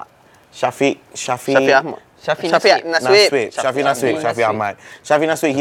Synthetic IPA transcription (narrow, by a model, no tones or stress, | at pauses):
ʃafiʔʃafiam | ʃafiananiwitʃafinaswitʃafiamat̚ʃafinaswit̚hi